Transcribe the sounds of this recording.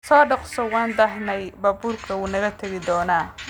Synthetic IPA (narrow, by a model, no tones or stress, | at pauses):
sɔːɖɔqsɔwɑːnd̪ɐɦnɛjbɐːbuːrkʰɐwuːnɐɣɐt̪ʰɐɣɪd̪ɔːnaː